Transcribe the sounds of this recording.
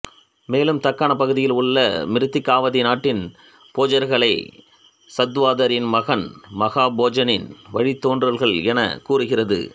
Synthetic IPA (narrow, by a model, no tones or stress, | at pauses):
meːlɯmt̪ɐkːaːnɐpɐɣɯðɪjɪlʊɭːɐmɪɾɯt̪ːɪkːaːʋɐðɪnaːʈːɪn | poːd͡ʒɐɾɣɐɭɐɪ | sɐd̪ʋaːðɐɾɪnmɐɣɐnmɐɣaːboːd͡ʒɐnɪnʋɐɻit̪ːoːndrɐlɣɐɭɛnɐ̰kuːrɯɣɪrɐðɯ̰